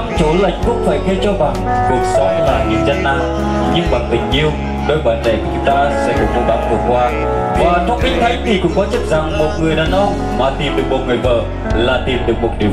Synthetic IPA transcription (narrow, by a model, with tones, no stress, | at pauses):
a˧˦t͡ɕo˨˦la̰˧˨˦jŋ̟kʊ˦˥k̚faː˧˩jxʰə˧t͡ɕɔ˧va̰ː˧˨˩ŋ | ɗɨ˨˩ək̚sɔ˨˦laː˨˩ɲɨ˨˩əwza˧nnaː˧ | ɲɨ˧ŋɓaː˨˩n̚ɓï˨˩ŋ̟ɲi˧˨əw | ɗo˧jɓaː˧˩nve˧˩ka˨˩t͡ɕʊ˨˦ŋ͡mt̪aː˧sɛ̰˧˥kɨ˨˦ŋ͡mvu˧˩ɗa̰˨˩t̚ku˧˩kwaː˧ | vaː˨˩t̪ʰa˦˥k̚ʔï˧˦ŋ̟t̪ʰa˨˦jt̪ʰi˨˩kʊ̰˧˥ŋ͡mkɔ˨˦t͡ɕə˦˥t̚za˨˩ŋmo˨˩t̚ŋɨ˨˩əjɗaː˨˩nʔɔ˧ | maː˨˩t̪i˨˩mɗɨ˨˩ək̚mo˨˩t̚ŋɨ˨˩əjɓəː˨˩ | laː˨˩t̪i˨˩mɗɨ˨˩ək̚mo˨˩t̚ɗḭ˨˩ə